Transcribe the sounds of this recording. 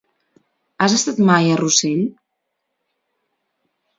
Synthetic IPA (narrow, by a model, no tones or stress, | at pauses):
azəst̪at̪majəruseʎ